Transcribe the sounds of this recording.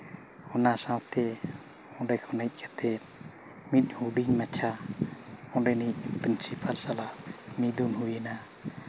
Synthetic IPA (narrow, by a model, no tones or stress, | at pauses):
ɔnasãwt̪ɛ | ɔ̃ɖɛkʰɔnajt̪̚kʰat̪ɛt̪̚ | mit̪̚ˀhuɖiŋmat͡ʃʰa | ɔɖɛniʔ̚pɾinsipʰalsalamid̪unɦujɛna